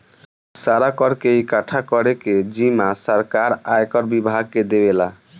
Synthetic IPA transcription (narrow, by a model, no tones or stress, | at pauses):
saɾakɔɾkeikaʈʰakɔɾeked͡ʒimasəɾkaɾaekɔɾbibʱaɡ̚kːed̪ebela